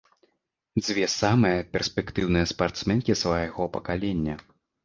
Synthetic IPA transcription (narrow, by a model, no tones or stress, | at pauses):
d͡zʲvʲɛsamɨjɐpʲɛrsʲpʲɛkt̪ɨwnɨjɛspart̪smɛnkʲisvajaɣɔpɐkalʲɛnʲːɐ